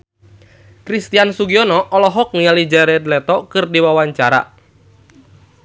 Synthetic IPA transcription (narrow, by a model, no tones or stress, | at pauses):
kɾist̪iansuɡiɔnɔʔɔlɔɦɔk̚nialid͡ʒaɾɛdlɛt̪ɔkɨrdiwawaɲt͡ʃaɾa̰